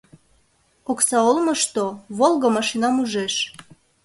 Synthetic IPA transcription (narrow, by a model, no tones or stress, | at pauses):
oksɑolməʃt̪oβolˠɣəmɑʃinɑmuʒeʃ